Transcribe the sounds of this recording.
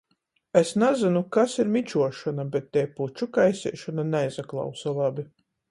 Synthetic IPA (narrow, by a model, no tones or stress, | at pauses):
esnazinukasiɾmit͡ʃuɔʃɔnabɛt̪ːɛjput͡ʃukajsʲḭːʃɔnanɛjzaklˠa̰wsalˠabʲi